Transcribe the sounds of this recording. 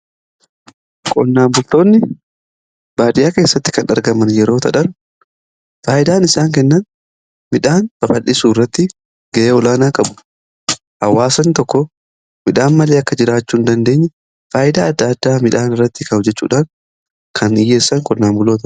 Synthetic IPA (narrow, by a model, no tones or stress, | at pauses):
kʼɔnːaːmbʊlt̪o̞ːnːɪ | baːd̪ɪjaːke̞ːsːɐt̪ːɪ̥kɐnɐɾɡɐmɐnjɛɾo̞ːt̪ʰɐᶑɐn | faːjɪd̪aːnɪsaːŋkɛnːɐn | mɪᶑaːnbɐfɐlːɪsuːɪrːɐt̪ːɪ | ɡ̥ɐʔeːɔlaːnaːkʼɐbʊ̥ | hɐwːaːsɐnt̪ɔkːɔ | mɪᶑaːnmɐleːɐkːɐd͡ʒɪɾaːt͡ʃːuːnd̪ɐnd̪e̞ːɲːɛ | faːʔɪd̪aːɐd̪ːad̪ːaːmɪᶑaːnɪrːɐt̪ːɪkɐʊd͡ʒɛt͡ʃːṵːᶑaːn | kʰɐnɪje̞ːsːɐŋkʼɔnːaːmbʊlːoːt̪ɐ